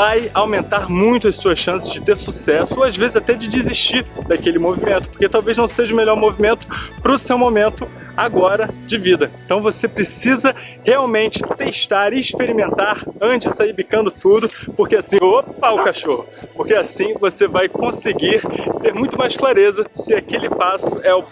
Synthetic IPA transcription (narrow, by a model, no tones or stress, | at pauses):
vajawmẽnt̪aɾmũj̃t̪ʊɐsuɐsʃɐ̃sɪzd͡ʒɪt̪eɾsusɛsʊazvezɪzat̪ɛd͡ʒɪd͡ʒiziʃt͡ʃiɾd̪akelɪmovimẽnt̪ʊpoɾket̪awveznɐ̃w̃seʒɐʊmeʎɔɾmovimẽnt̪ʊ̥pɾʊsewmomẽnt̪ʊ | aɡɔɾɐd͡ʒɪvid̪ɐẽt̪ɐ̃w̃vosepɾesizɐ | heawmẽnt͡ʃɪ̥t̪eʃt̪aɾɪʃpeɾimẽnt̪aɾɐ̃d͡ʒɪsaiɾbikɐ̃nd̪ʊt̪ud̪ʊpoɾkeasĩopaʊkaʃohʊpoɾkeasĩvosevajkõseɡiɾt̪eɾmũj̃t̪ʊmajʃklaɾezɐsɪakelɪpasʊɛʊ